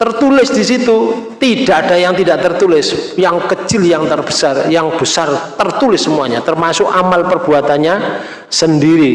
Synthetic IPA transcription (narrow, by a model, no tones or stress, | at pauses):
t̪ərt̪ulɪsdisit̪ut̪id̥aʔad̥ajaŋt̪idaʔt̪ərt̪ulɪsjaŋkət͡ʃɪljaŋt̪ərb̥əsarjaŋb̥əsart̪ərt̪ulɪsːəmuaɲat̪ərmasʊkamalpərb̥uat̪anɲa | səndiɾi